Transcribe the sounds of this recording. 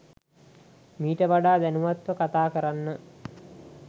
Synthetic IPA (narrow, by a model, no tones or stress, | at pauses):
miːʈəʋaɖaːd̪ænuʋat̪ʋəkat̪aːkəɾanːə